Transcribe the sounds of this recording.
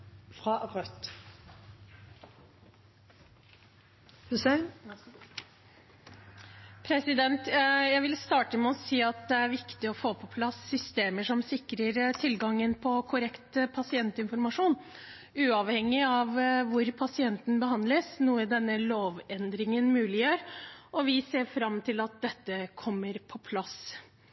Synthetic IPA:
fɾɑʁœt̪ | hʉs | pʰɾɛsɪd̪ɛnt̪jæɪʋɪlst̪ɑːʈəmɛɔsiːɑt̪̚d̪ɛæɾʋɪkt̪ɪɔfoːpʰɔpʰlɑsːʏst̪eːməʂɔmsɪkɾəɾt̪ʰɪlɡɑŋːənpʰɔkʰʊɾɛkt̪pʰɑsɪɛnt̪ɪnfɔɾmɑʂuːn | ʉːɑʋhɛŋːɪɑʋʋʊɾpʰɑsɪɛnt̪n̩bəhɑnd̪ləsnuːəd̪ɛnːəloːʋɛnd̪ɾɪŋənmʉːlɪjøːɾʔɔʋɪseːɾfɾɑmːt̪ʰɪlɑt̪̚d̪ɛt̪ːəkʰɔmːəɾpʰɔpʰlɑs

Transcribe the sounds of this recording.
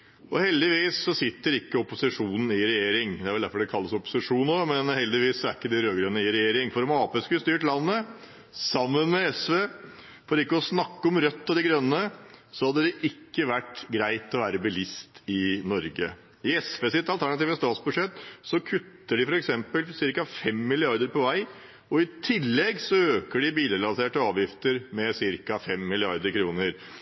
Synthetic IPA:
ʔɔhɛld̪ɪʋiːsːɔsɪt̪ːəɾɪkːəɔpʊsɪʂuːnn̩ɪɾɛjeːɾɪŋd̪ɛæɾʋɛld̪æfɔɖɛkʰɑlːəsɔpʊ̥sɪʂuːnnoːmɛnhɛld̪ɪʋiːsːɔæɾɪkːəd̪ɪɾøːɡɾøːnəɪɾɛjeːɾɪŋfɔɾɔmɑːpeːskʉəst̪yːʈlɑnːə | sɑmːənmɛɛsʋeː | fɔɖ̪ɛɪkːəɔsnɑkːəɔmɾœt̪ːɔd̪ɪɡɾœnːəsɔhɑd̪ːəd̪ɛʔɪkːəʋæʈːɡɾæɪt̪ɔʋæːɾəbəlɪst̪ɪnɔɾɡə | ɪɛsʋeːsɪt̪ːɑlt̪ʰæɳɑt̪iːʋəst̪ɑːt̪sbʉʂɛt̪ːsɔkʰʉt̪ːəɖɪfɔɾɛksɛmpəlsɪɾkɑfɛmːɪlɪɑɾd̪əɾpɔʋæɪ | ɔɪt̪ʰɪlːɛɡsɔøːkəɖɪbiːd̪əɾlɑseːʈəɑːʋjɪft̪əɾmɛsɪɾkɑfɛmːɪlɪɑɾd̪əɾkʰɾuːnəɾ

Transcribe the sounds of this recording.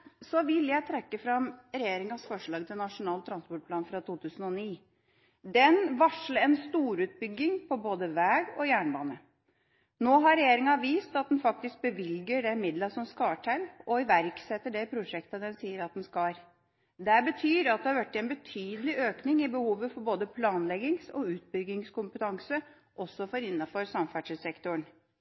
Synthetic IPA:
sɔʋɪljæɪt̪ʰɾɛkːəfɾɑmɾɛjeːɾɪŋɑsfɔʂɭɑːɡ̚t̪ʰɪlnɑʂʊnɑːlt̪ʰɾɑnspɔʈ̚pʰlɑːnfɾɑt̪ʰuːt̪ʰʉːsən̩ɔniː | d̪ɛnʋɑʂləɾɛnst̪uːɾʉːt̪̚bʏɡːɪŋpʰɔboːd̪əʋæːɡɔjæːɳbɑːnə | noːɦɑɾɛjeːɾɪŋɑʋiːst̪ɑt̪̚d̪ɛnfɑk̚t̪ɪsk̚bəʋɪlɡəɖɛmɪd̪lɑsɔmskɑːʈʰælɔɪʋæɾksɛt̪ːəɖɛpʰɾʊʂɛkt̪ɑd̪ɛnsiːəɾɑt̪̚d̪ɛnskɑːɾ | d̪ɛæbət̪ʰyːɾɑt̪̚d̪ɛhɑɾʋæʈːɪɛnbət̪ʰyːd̪əlɪʔøːknɪŋɪbəhuːʋəfɔɾboːd̪əpʰlɑːnlɛɡɪŋsɔʉːt̪̚bʏɡːɪŋskʊmpət̪ʰɑŋsə | ʔɔsːɔfɔɾɪnːɑfɔɾsɑmfæʂɪsɛkt̪ʊəɳ

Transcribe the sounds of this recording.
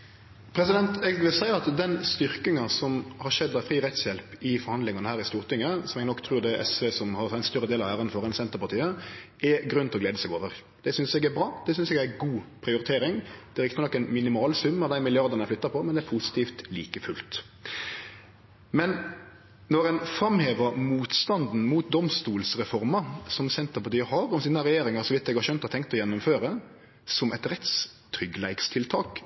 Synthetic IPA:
pʰɾɛsɪd̪ɛnt̪ɛɡʋɪlsæɪɑt̪d̪ɛnst̪ʏɾkɪŋɑsɔmhɑɾʃɛd̪ːɑfɾiːʁɛt̪sjɛlpɪfɔɾhɑnd̪lɪŋɑnəhæːɾɪst̪uːʁt̪ʰɪŋəsɔmɛɡnɔkːt̪ʰɾʉːɾd̪ɛʔɛ̰sʋesɔmhɑɾɪnst̪œɾːəd̪eːlɑʋæːʁənfɔʁɛnsɛnt̪əʁpɑʁt̪iːə | ɛɡɾʉnt̪ɪlɔɡ̪leːd̪əsɛɡoːʋəʁ | d̪̥ɛsʏnsɛɡæɾbɾɑːd̪̥ɛsʏnsɛɡæɡuːpʰɾɪʊɾɪt̪ʰeːɾɪŋd̪̥ɛɾɪkt̪ənɔkːənmɪnɪmɑːlsʉmːəd̪æɪmɪlɪɑʁd̪ɑnɛnflʏt̪ːɑpʰɔmɛnd̪ɛæɾpʰusɪ̥t̪ʰiːft̪lḭːkəfʉlt̪ | mɛn | nɔɾɛnfɾɑmheːʋəmuːt̪st̪ɑnd̪n̩muːt̪̚d̪ɔmst̪uːlsɾɛfɔɾmɑsɔmsɛnt̪əɾpɑt̪iːəhɑɾɔmsiːnəɾɛjeːɾɪŋɑɾsɔʋɪt̪ːɛɡhɑɾʃœnt̪ɔhɑt̪ʰɛŋk̚t̪ɔjɛnːʊmføːɾə | sɔmʔɛt̪ɾɛt̪s | t̪ʰɾʏɡlæɪkst̪ʰɪlt̪ʰɑːk

